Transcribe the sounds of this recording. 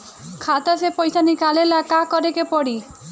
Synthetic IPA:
kʰat̪asepɔjsanikalelakakɔɾekepɔɽi

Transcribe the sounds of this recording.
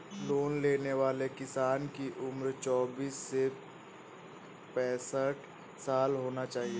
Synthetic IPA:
loːnleːneʋaːlekɪsaːnkiʔʊmɾt͡ʃɔːbiːsːe | pɛːsəʈ | saːlɦoːnat͡ʃaːɦie

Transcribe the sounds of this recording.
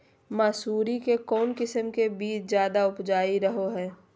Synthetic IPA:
maːsuːɾikekɔːnkɪsəmkebiːt͡ʃzjaːd̪aʊpd͡ʒaːiɾɐɦoɦɛː

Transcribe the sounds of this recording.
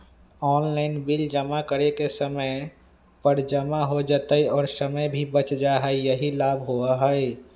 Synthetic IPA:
ɔːnlaɪnbild͡ʒəmakəɾekesəməɪ | pəɾd͡ʒəmaɦod͡ʒat̪əiɔːɾsəməjbʱibət͡ʃd͡ʒaɦəejəɦilabʱɦoaɦəe

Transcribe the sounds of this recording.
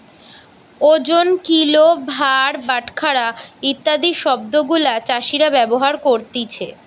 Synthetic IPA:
od͡ʑonkilobʱaɾbaʈkʰaɾait̪ːad̪iʃɔb̚d̪oɡulat͡ɕaʃiɾabɛboɦaɾkoɾt̪it͡ɕʰe

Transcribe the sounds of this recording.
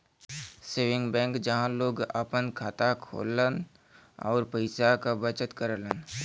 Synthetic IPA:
seːʋɪ̃ŋɡbɛ̃ːŋkd͡ʒɐɦãloːɡa̰pənkʰaːt̪akʰo̰ːlən | ɔ̰ːɾpəɪsakabət͡ʃət̪kəɾlən

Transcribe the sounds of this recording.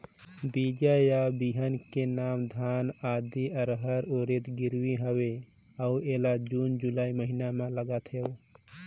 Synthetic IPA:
bid͡ʒajabiɦənkenaːmd̪ʱaːnaːd̪iəɾɦəɾoɾet̪ɡiɾwiɦəwe | əueːlad͡ʒuːnd͡ʒulaːiməɦinamãləɡat̪ʰɦeo

